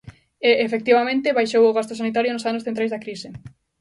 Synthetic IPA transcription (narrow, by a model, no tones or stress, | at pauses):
eʔefek̚t̪iβamẽnt̪ɪβajʃowʊɣast̪ʊsanit̪aɾjonʊsanʊsθẽnt̪ɾajzakɾisɪ